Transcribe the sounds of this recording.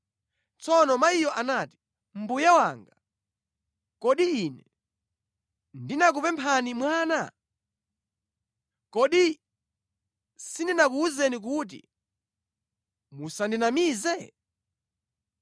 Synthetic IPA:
t͡sɔnɔmaijɔʔanaːti̥ | m̩bujawaːŋɡa | kɔɗiinɛ | ndinak̬upɛmpʰanimwaːna | kɔɗi | sindinakuuzɛnik̬uːt̬ḭ | musandinamiːzɛ

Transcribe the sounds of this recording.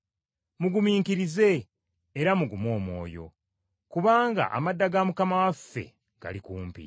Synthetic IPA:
muɡumiːŋkiɾize̞ː | ɾamuɡumo̞ːmwo̞̰ːjo̞̰ | kuβaːŋɡa̰ʔa̰madːaɡamukamawafːe̞̰ | ɡ̥a̰likuːmpḭ

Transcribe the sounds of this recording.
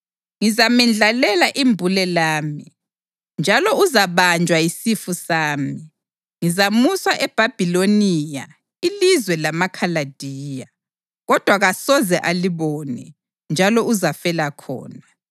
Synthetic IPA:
ŋizamɛnd͡ɮʱalɛlaʔimbʱulɛlaːmi | nd͡ʒʱalɔuzaβand͡ʒʱwaisifusaːmi | ŋizamuswaʔɛb̥ʱab̥ʱiloniːja̰ | ilizwɛlamakʰalad̥ʱiːja | ɣɔd̥ʱwaɣasɔzɛʔaliβɔnɛ̰ | nd͡ʒʱalɔuzafɛlakʰɔ̰ːna

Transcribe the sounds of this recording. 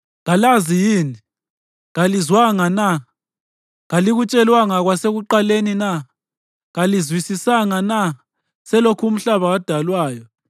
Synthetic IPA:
ɣalazijiːni | ɣalizwaŋana | ɣaliɣut͡ʃʼɛlwaŋaɣwaseɣuǃalenina | ɣalizwisisaŋana | sɛlokʰum̩ɬaβaad̥ʱalwaːjɔ

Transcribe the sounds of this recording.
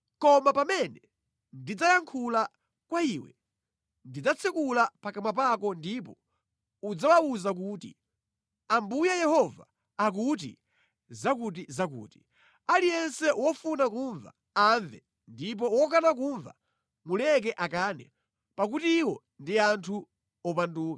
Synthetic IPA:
kɔmapamɛnɛ | ndid͡zajaŋkʰula | kwaiwɛ̰ | ndid͡zat͡sʰɛkulapakamwap̬akɔndipɔ | ud͡zawawuzak̬uːtḭ | ambujajɛhɔvaː | k̬ut̬ḭ | zak̬ut̬izak̬ṵːti̥ | alijɛnsɛwɔfunakuɱva̰ | aɱvɛ | ndip̬ɔwɔk̬anak̬uːɱva̰ | mulɛk̬ɛʔakaːnɛ̰ | pak̬utiːwɔ | ndiantʰu | ɔpanduːka

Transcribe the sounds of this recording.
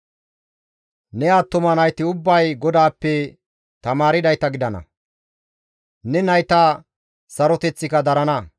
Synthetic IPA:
nɛaːt̪ːɔmɐnɐjt̪ɪʊbːɐjɡɔd̪aːpːɛ | t̪ɐmaːɾɪd̪ɐjt̪ɐɡɪd̪ɐnɐ̰ | nɛnɐjt̪ɐa | sɐɾɔt̪ɛt͡sːɪkɐd̪ɐɾɐnɐ

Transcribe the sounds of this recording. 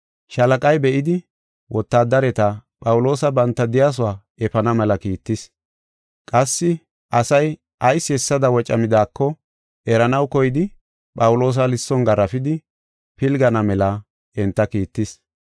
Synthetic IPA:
ʃɐlɐkʼɐjbɛʔɪd̪ɪ | wʔɔt̪ːaːd̪ɐɾɛt̪ɐpʼɐwʊlo̞ːsɐbɐnt̪ːɐd̪ɪjaːs̬ʊwaː | ɛfɐnɐmɛlɐkiːt̪ːɪs | kʼɐsːɪ | ʔɐsɐj | ʔɐjsːɪɛsːɐd̪ɐwɔt͡ʃʼɐmɪd̪aːkːɔ | ɛɾɐnɐwkɔjɪd̪ɪ | pʼɐwʊlo̞ːs̬ɐlɪsːɔnɡɐɾɐfɪd̪ɪ | pɪlɡɐnɐmɛlɐ | ɛnt̪ːɐkiːt̪ːɪs

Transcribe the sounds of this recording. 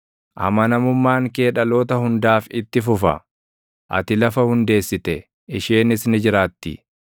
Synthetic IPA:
ʔɐ̰mɐnɐmʊmːaːŋke̞ːᶑɐlo̞ːt̪ɐhʊnd̪aːfɪt̪ːɪfʊfɐ̰ | ʔɐ̰t̪ɪlɐfɐhʊnd̪e̞ːsːɪt̪ɛ | ɪʃeːnɪsnɪd͡ʒɪɾaːt̪ːɪ̰

